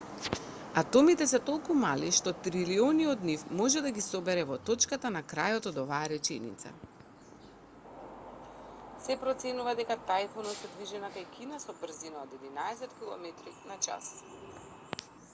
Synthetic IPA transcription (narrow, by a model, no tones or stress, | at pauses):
at̪ɔmit̪ɛsɛt̪ɔlˠkumaliʃt̪ɔt̪ɾiliɔniɔd̪nifmɔʒɛd̪aɡisɔbɛɾɛvɔt̪ɔt͡ʃkat̪anakɾajɔt̪ɔd̪ɔvaːɾɛt͡ʃɛnḭt̪sa̰ | sɛpɾɔt̪sɛnuvad̪ɛkat̪ajfɔnɔt̪sɛd̪viʒɛnakajkʰinasɔbr̩zinaod̪ɛd̪inaɛsɛt̪kilˠɔ̰mɛt̪ɾinat͡ʃa̰s